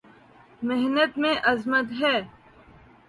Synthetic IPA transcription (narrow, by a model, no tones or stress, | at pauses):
meɦnət̪mẽʔɐzmət̪ɦɛː